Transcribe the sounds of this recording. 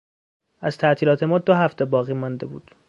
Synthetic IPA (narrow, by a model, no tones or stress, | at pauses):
ʔæz̥t̪ʰæʔt̪ʰiːlɒːt̪ʰe̞mɒːd̪oɦæft̪ʰebɒːɣiːmɒnd̪ebṵːd̪̥